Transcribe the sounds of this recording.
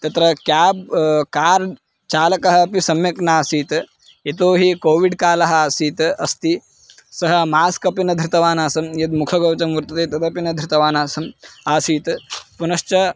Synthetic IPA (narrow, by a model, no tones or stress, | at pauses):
t̪ɐt̪ɾɐkjaːb̚kaːɾ | t͡ʃaːlɐkɐɦɐpisɐmjɐknaːsiːt̪ | et̪oːɦikoːʋiɖkaːlɐɦɐaːsiːt̪ɐst̪i | sɐɦɐmaːskɐpinɐd̪ʱɾit̪ɐʋaːnaːsɐmjɐd̪mukʰɐɡɐːt͡ʃɐmʋuɾt̪ɐt̪et̪ɐd̪ɐpinɐd̪ʱɾit̪ɐʋaːnaːsɐmaːsiːt̪punɐst͡ʃɐ